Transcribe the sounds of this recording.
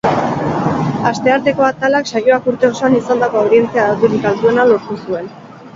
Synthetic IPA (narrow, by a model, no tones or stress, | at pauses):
ast̪e̞aɾt̪e̞ko̞at̪alaksajo̞akuɾt̪e̞osoanisand̪ako̞awðie̞nt͡siaðawt̪uɾikald̪ue̞nalo̞ɾt̪usue̞n